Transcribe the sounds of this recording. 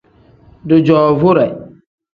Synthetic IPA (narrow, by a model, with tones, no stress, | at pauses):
dʊ˨d͡ʒɔː˨vʊ˦ɾɛ˨